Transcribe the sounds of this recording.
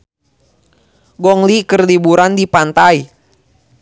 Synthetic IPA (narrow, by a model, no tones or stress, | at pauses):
ɡɔŋlikərlibuɾandipant̪ai